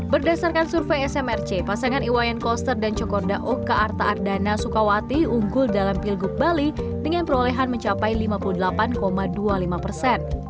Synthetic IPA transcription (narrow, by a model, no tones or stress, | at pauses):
bərdasarkansurfeɛsɛmɛrt͡ʃepasaŋaniwajankɔst̪ərdant͡ʃɔkɔrdaʔokaʔːrt̪aʔːrdanasukawat̪iuŋɡʊldalampilɡup̚bali | dəŋanpəɾolɛɦanməɲt͡ʃapajlimapuludəlapankomadualimapərsɛn